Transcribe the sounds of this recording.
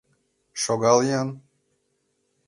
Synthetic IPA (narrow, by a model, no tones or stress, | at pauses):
ʃoɡɑljɑn